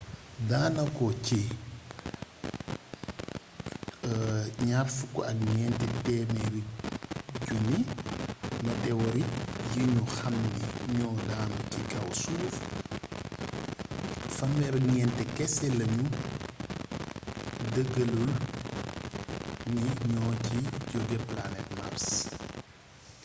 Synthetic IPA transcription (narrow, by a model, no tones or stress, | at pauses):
daːnɐkɔci | ɲarfukɔ̰ɐkɲɛːntɛtɛːmɛɾi | ɟuni | nɐdɛwɔɾijiɲuxɐmdiɲɔːdaːmɐcikɐwsuːf | fɐmːɛɾɐɲɛntɛkɛsɛlɐɲu | dəɡɐlul | niɲɔːciɟɔɡɛplanɛt̚ma̰rs